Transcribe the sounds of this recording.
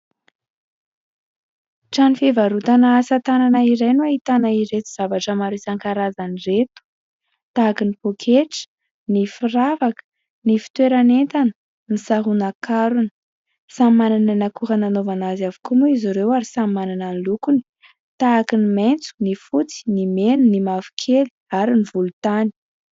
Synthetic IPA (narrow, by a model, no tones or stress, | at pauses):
ʈ͡ʂanifevaɾut̪anaːsat̪ananaiɾajnuaɦit̪anaiɾet̪u̥z̥avaʈ͡ʂəmaɾisaŋkaɾazaniret̪u̥ | t̪aːkinipokʰeʈ͡ʂ | nifiɾavakə̥ | nifi̥t̪weɾanent̪anə̥ | nisaɦunakaɾuni̥ | sammanananakuɾananovanazavu̥kumuiziɾewaɾisammanananlukuni̥ | t̪aːkiniment͡su̥nifut͡si̥nimenunimavi̥kʰeli̥aɾinivulut̪ani̥